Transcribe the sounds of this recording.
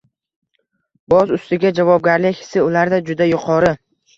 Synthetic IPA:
b̥ɒzʊst̪ɪɡʲad͡ʒavɒb̚ɡʲaɾlɪkʲhɪ̥sɪʊlaɾd̪ad͡ʒʊd̪ajʊqʰɒɾɪ

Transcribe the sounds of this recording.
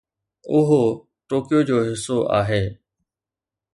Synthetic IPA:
ʊɦo | ʈoːkɪjod͡ʑoːɦɪsoʔa̰ːɦeː

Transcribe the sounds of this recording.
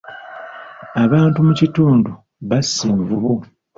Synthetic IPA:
aβaːntumucituːndu | βasːiːɱvuβu

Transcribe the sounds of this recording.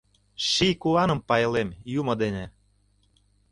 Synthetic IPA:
ʃikuɑnə̆mpɑjlemjumɤ̆d̪enʲe

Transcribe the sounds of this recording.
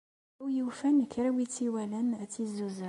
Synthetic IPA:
ujəwfænkːɾawit͡sːiwælənt͡sːizuzə

